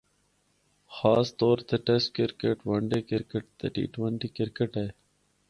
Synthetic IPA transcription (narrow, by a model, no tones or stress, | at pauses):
xaːst̪oːɾt̪eːʈesʈ̚kɪɾkeʈʋəɳɖeːkɪɾkəʈ̚t̪eːʈḭːʈʋəɳʈiːkɪɾkeʈeː